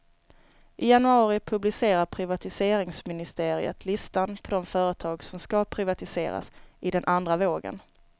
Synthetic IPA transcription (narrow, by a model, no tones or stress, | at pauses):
ʔɪjanɵɑːɾɪpʰɵblɪseːɾaɾpʰɾɪvat̪ɪseːɾɪŋsmɪnɪst̪eːɾɪ̰ə̰t̪ʰlɪst̪anpʰɔd̪ɔmfœːɾət̪ʰɑːɡsɔmskapʰɾɪvat̪ɪsḛːɾa̰sʔɪd̪ɛnʔand̪ɾavoːɡə̰n